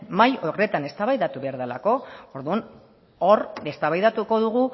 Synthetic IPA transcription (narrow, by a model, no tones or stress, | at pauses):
majore̞t̪ane̞st̪aβajðat̪uβe̞aɾðalako̞oɾðun | o̞ɾe̞st̪aβajðat̪uko̞ðuɣ̞u